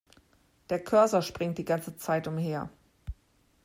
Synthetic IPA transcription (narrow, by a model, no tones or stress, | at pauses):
d̥eːɐkʰœɐzɐʃpʁ̥ɪŋt̚d̥iːɡant͡sət͡saɪtʊmheːɐ